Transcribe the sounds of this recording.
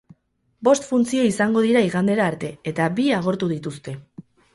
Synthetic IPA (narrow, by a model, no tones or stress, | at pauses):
bo̞st̪funt͡sio̞isaŋɡo̞ð̞iɾaiɣand̪e̞ɾaːɾt̪e̞et̪abiaɣ̞o̞ɾt̪uðit̪ust̪e̞